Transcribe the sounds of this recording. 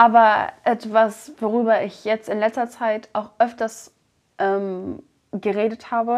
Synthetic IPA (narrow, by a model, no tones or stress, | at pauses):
ʔaːbɐʔɛtv̥asv̥oʁ̞yːbɐɪçjɛt͡stɪnlɛt͡stɐt͡saɪtʰaʊxʔœftɐs | ʔɛːm | ɡəʁeːdəthaːbə